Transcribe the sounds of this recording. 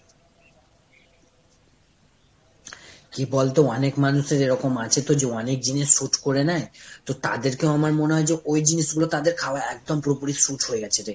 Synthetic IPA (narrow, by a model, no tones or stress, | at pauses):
kibɔlt̪oɔnekmanuʃeɾeɾɔkomat͡ɕʰet̪od͡ʑeɔnek̚d͡ʑiniʃːuʈʰkoɾenaet̪ot̪a̰d̪eɾkewamaɾmoneɦɔed͡ʑeʔojd͡ʑiniʃɡulot̪ad̪eɾkʰaoaɛk̚d̪ompɾopuɾiʃuʈɦoeɡɛt͡ɕʰet̪e